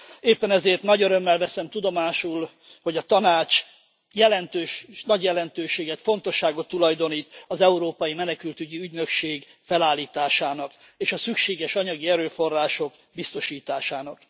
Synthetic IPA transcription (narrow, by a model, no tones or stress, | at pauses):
eːpːɛnɛzeːrt̪nɒɟøɾø̞mːɛlvɛsɛmt̪ud̪o̞maːʃul | hoɟɒt̪ɒnaːt͡ʃ | jɛlɛnt̪øːʃnɒɟjɛlɛnt̪øːʃeːɡɛt̪fo̞nt̪o̞ʃːaːɡo̞t̪ːulɒjd̪o̞niːt̪ɒzɛuɾoːpɒjimɛnɛkylt̪yɟiyɟnø̞kʃeːɡfɛlaːlːiːt̪aːʃaːnɒk | eːʃɒsykʃeːɡɛʃɒɲɒɡiɛɾøːfo̞rːaːʃo̞k | bist̪o̞ʃiːt̪aːʃaːnɒk